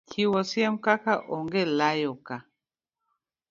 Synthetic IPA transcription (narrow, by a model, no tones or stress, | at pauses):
kʰiwɔsiɛm̩kakaʔɔŋɡelajɔka